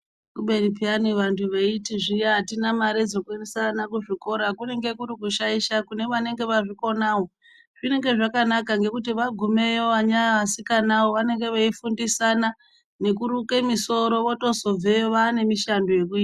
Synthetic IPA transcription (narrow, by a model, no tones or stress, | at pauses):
kuɓe̞nipianiʋantʰuʋeitiʐijaatinamaɾed͡zokwenisanakuʐiko̞ɾakune̞ŋɡe̞kuɾikuʃaiʃakune̞ʋane̞ŋɡe̞ʋaʐiko̞nawo | ʐ̥ine̞ŋɡe̞ʐakanakaŋɡe̞kutiʋaɡʱume̞joʋaɲaasikanawoʋane̞ŋɡe̞ʋaifundisana | ne̞kuɾuke̞miso̞ɾo̞ʋoto̞so̞b͡vejoʋaːne̞miʃandoje̞k̬uiːta